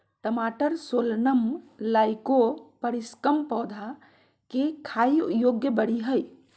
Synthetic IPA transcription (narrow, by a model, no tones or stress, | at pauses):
ʈəmaʈəɾsolnəmlajkopəɾiskəmpɔwd̪ʱa | kekʰajjoɡjəbəɽiɦəj